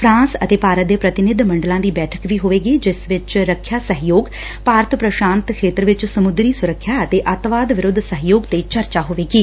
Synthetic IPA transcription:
pʰɾãːnsə̰t̪eːpaːɾət̪̚d̪eːpɾət̪ɪnɪd̪mə̃ɳɖəlãːd̪iːbɛːʈʰə̥kʋiːɦoːʋeːɡiːd͡ʒɪsʋɪt͡ʃɾəkʰːjaːsəɦjoːɡ | paːɾt̪pɾəʃãːnt̪kʰeːt̪ɾʋɪt͡ʃsəmʊd̪ɾiːsʊɾəkʰːjaːət̪eːʔət̪ʋaːd̪ʋɪɾʊd̪ʱsəɦjoːɡt̪eːt͡ʃəɾt͡ʃaːɦoːʋeːɡiː

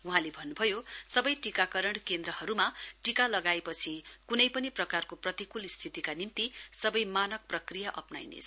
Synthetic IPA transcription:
uɦãlebʱʌnːubʱʌjosʌbʌjʈikakʌɾʌɳ̃kend̪ɾʌhʌɾumaʈikalʌɡaepʌt͡sʰikunʌjpʌniprʌkarkoprʌt̪ikulist̪ʰit̪ikanint̪isʌbʌjmanʌk̚prʌkrijaʔʌpna̰jnḛt͡sʰ

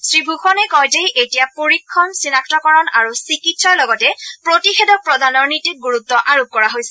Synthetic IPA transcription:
sɹibʱuxɔnɛkɔjtejʔetijapoɹikʰːɔnsinaktɔkɔɹɔnaɹusikitsɔjlɔɡɔtɛpɹotixɛdɔk̚pɹɔdanɔɹnitiɡuɹut̪ːɔʔaɹup̚kɔɹaɦojsɛ

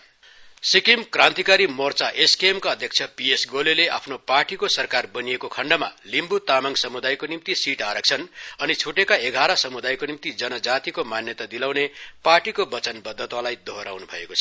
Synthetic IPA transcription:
sikimkrãnt̪ikaɾimort͡saʔeskeemkaʌd̪ʱjʌk̚t͡sʰʌpiesɡolelea̰pʰnoparʈikosʌrkarbʌnijekokʰʌɳɖʌmalimbut̪amaŋsʌmud̪ajkonimt̪isiʈaɾʌk̚t͡sʰʌnʌnit͡sʰuʈekaeɡʱaɾʌsʌmud̪ajkonimt̪id͡zʌnʌd͡zat̪ikomanjʌt̪ad̪ilawneparʈikobʌt͡sʌnbʌd̪ʱːʌt̪walajd̪ʱoɦɾawnubʱʌ̰ḛkot͡sʰʌ

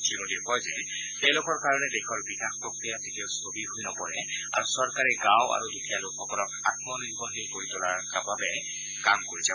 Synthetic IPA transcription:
tʰimodikɔjzɛ | tejlʊkɔɹkaɹɔnɛdɛxʰɔɹbikaxpɹokɹijatetioʊsobiɦojnɔpɔɹɛa̰ɹusɔɹkaɹɛɡãwʔa̰ɹudutʰialʊkxɔkɔlɔka̰tmɔniɹbʱɔɦekoɹitʊlaɹkababɛ | kamkoɹizaɔ

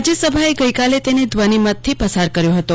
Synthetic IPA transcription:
d͡ʒjəsəbʱaeɡəjkalet̪ened̪ʋənimət̪̚ʰːipəsaɾkəɾjoɦət̪o

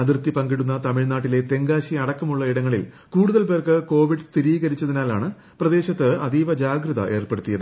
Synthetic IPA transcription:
ɐðirt̪ːipɐŋɡiɽunːɐt̪ɐmiɭnaːʈːile̞t̪e̞ŋɡaːɕiɐɽɐkːɐmuɭːɐiɽɐŋːɐɭil | kuːɽuðɐlpe̞ːrkɨko̞ːʋiɖst̪iɾiːɣɐɾit͡ɕːɐðinaːlaːɳɨ | prɐd̪e̞ːɕɐt̪ːɨɐd̪iːʋɐd͡ʑaːɡrɨðɐ̰ʔe̞ːrpeɽut̪ːijɐðɨ

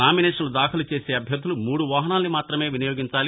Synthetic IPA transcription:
naːminɛːʂɐnlud̪aːkʰɐlut͡ʃe̞ːseːɐbʱjɐd̪ʱːulumuːɽuʋaːɦɐnaːlnimaːt̪ɾɐme̞ːʋinɐjo̞ːɡiɲt͡ʃaːli

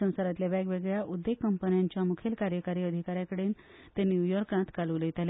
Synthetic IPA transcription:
ə̃w̃saɾat̪iljaʋaɡʋeɡɭjaʔud̪ːekːəmpənjaɲt͡ɕjamukʰelkaɾjəkaɾiːəd̪ʱikaɾjãkəɽeːn | t̪enjujɔɾkãt̪kaluːləjt̪ale

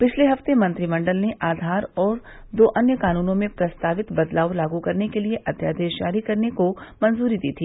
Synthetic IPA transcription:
pɪt͡ʃʰleɦɐft̪emɐ̃nt̪ɾimɐ̃ɳɖəlneʔaːd̪ʱaːɾɔːɾ | d̪oːʔɐnjəkaːnuːnõmẽpɾɐst̪aːʋɪt̪bɐd̪laːʋlaːɡukɐɾnekelieʔɐd̪ja̰ːd̪eːt͡ʃa̰ːɾikɐɾnekomɐnzuːɾid̪iːt̪ʰiː

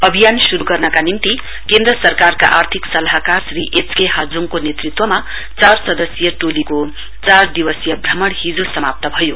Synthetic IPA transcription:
ʌbʱijansuɾuɡʌrnʌkanimt̪i | kend̪rʌsʌrkarka̰ʔart̪ʰiksʌlaɦkarsriʔet͡skeɦad͡zuŋkonet̪rit̪wʌma | t͡sarsʌd̪ʌsjʌʈ̪oliko | t͡sard̪iwʌsjʌbʱrʌmʌɽhid͡zosʌmap̚t̪ʌbʱʌjo

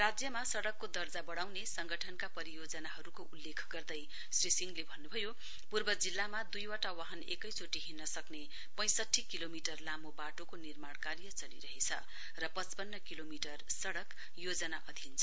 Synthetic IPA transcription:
rad͡zjʌmasʌɽʌkːod̪ʌrd͡zabʌɽawnesʌŋɡʌʈʰʌnkapʌɾijod͡zʌnaɦʌɾukoulːekʰɡʌrd̪ʌj | srisiŋɡlebʱʌnːubʱʌjo | purbʌd͡zilːamad̪ujwaʈawaɦʌnḛkʌjt͡soʈiɦinːʌsʌkne | pʌ̃j̃sʌʈʰːikilomiʈʌrlamobaʈokonirmaɽkarjʌt͡sʌlḭɾʌɦet͡sʰʌ̰ | rʌpʌt͡spʌnːʌkilomiʈʌrsʌɽʌk | jod͡zʌnaʔʌd̪ʱint͡sʰʌ

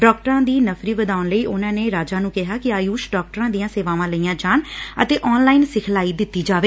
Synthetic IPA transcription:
ɖɔːk̚ʈəɾãːd̪iːnəfʰɾiːʋəd̪aːʊnləiːʔʊnãːneːɾaːd͡ʒaːnũːkɪɦaːkɪaːjuːʃɖɔːk̚ʈəɾãːd̪ijãːseːʋaːʋãːləiːãːd͡ʒaːnə̰t̪eːʔɔːnlaːiːnsɪkʰlaːiːd̪ɪt̪ːiːd͡ʒaːʋeː

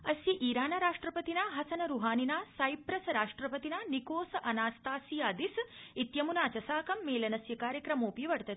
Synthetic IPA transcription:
ɐsjiʔiːɾaːnɐɾaːʂʈɾɐpɐt̪inaːɦɐsɐnɐɾuɦaːninaːsajpɾɐsɐɾaːʂʈɾɐpɐt̪inaːnikoːsɐʔɐnaːst̪aːsijaːd̪isit̪jɐmunaːt͡ʃɐsaːkɐmːeːlɐnɐsjɐkaːɾjɐkɾɐmoːpiʋɐɽt̪ɐt̪i̥

